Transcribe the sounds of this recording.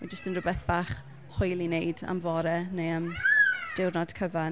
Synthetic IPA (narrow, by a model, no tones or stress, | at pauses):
ɛd͡ʒəstənrʊbɛθb̥aːχ | hʊjlˠinejda̰mvɔɾɛnejəmd̥ɪwrnɔd̥kʰəva